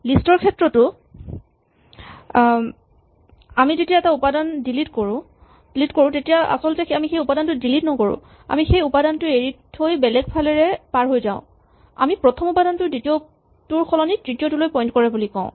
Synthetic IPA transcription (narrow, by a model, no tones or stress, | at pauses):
listɔɹkʰɛtɹɔtʊ | amizetijaɛtaupadandilitkoɹʊ̃ | dilitkoɹʊ̃tetijaʔa̰sɔltɛxamixejupadantʊdilitnɔkoɹʊ̰̃ | a̰mixejupadantʊeɹithojbɛlɛɡ̚pʰalɛɹɛpaɹɦojza̰ʊ̃ | a̰mipɹɔtʰɔmupadantʊditiɔ | tuɹxʰɔlɔnidɹitijotulojpɔjntkɔɹɛbulikɔ̰̃ʊ̃